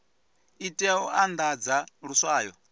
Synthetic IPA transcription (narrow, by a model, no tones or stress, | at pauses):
itʼɛɔand̪ad͡zaɺuswaːjɔ